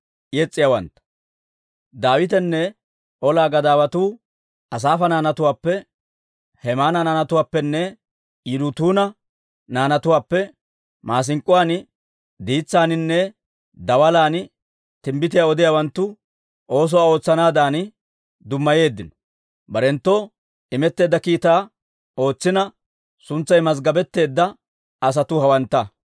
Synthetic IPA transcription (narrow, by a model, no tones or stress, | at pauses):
jɛt͡sʼːɪjawɐnt̪ːɐ̥ | d̪aːwɪt̪ɛnːɛ | ɔlaːɡɐd̪aːwɐt̪uː | ʔɐs̬aːfɐnaːnɐt̪ʊwaːpːɛ | hɛmaːnɐnaːnɐt̪ʊwaːpːɛnːɛ | ɪd̪ʊt̪uːnɐ | naːnɐt̪ʊwaːpːɛ | mʔaːs̬ɪŋkʼʊwaːn | d̪iːt͡sːaːnɪnːɛ | d̪ɐwɐlaːn | t̪ɪmbɪt̪ɪjaɔd̪ɪjaːwɐnt̪ːʊ | ʔo̞ːs̬ɔwaːo̞ːt͡sːɐnaːd̪aːn | d̪ʊmːɐje̞ːd̪ːɪnɔ̥ | bɐɾɛnt̪ːo | ɪmɛt̪ːe̞ːd̪ːɐkiːt̪aː | o̞ːt͡sːɪnɐ | sʊnt͡sːɐjmɐs̬ɡɐbɛt̪ːe̞ːd̪ːɐ | ɐs̬ɐt̪ʊhɐwɐnt̪ːɐ